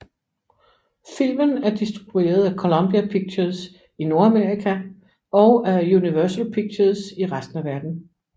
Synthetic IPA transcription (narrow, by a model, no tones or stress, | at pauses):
fil̰mənæɐd̥isd̥ʁib̥ue̝̰ːɐð̩ˠækʰo̝lɔ̽mb̥iæpʰiɡ̥̚t͡ɕʰɐs | ino̝ɐæme̝ɐʁikʰæ | ɒ̽ʊæjuniʋœɐsəlpʰiɡ̥̚t͡ɕʰɐsiʁasd̥n̩æʋæɐd̥n̩